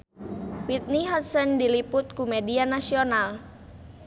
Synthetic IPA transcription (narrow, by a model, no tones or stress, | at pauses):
wit̪̚niɦɔt̪̚səndilipʊt̪̚kumedianasional